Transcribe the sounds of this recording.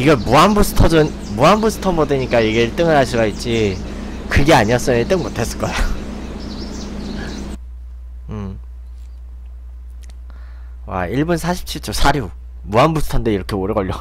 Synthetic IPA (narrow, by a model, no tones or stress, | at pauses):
iɡemuambusʰɯ̥tʰʌd͡ʑun | muambusʰɯ̥tʰʌnmotʰeɲik͈aiɡeɭt͈ɯŋɯɭɦaɕʰuɡait̚t͡ɕ͈i | kɯɡe̞aɲiʌs͈ɯmiɭt͈ɯŋmotʰe̞s͈ɯɭk͈ʌja | wa̰iɭbunsʰaɕʰi̥p̚t͡ɕʰiɭt͡ɕ͈osʰaɾju | muanbusʰtʰʌndeiɾʌkʰeoɾeɡʌʎːo